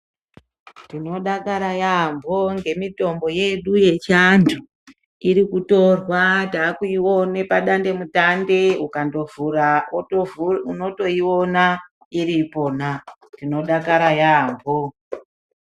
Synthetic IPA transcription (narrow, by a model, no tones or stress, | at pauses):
tino̞ɗakaɾajambʱo̞ŋɡe̞mito̞mbo̞je̞ɗuje̞t͡ʃantʰu | iɾikuto̞rwataːkuiwone̞paɗande̞mutande̞ukando̞vura | uno̞to̞iwo̞na | iripo̞na | dino̞ɗakaɾajambʱo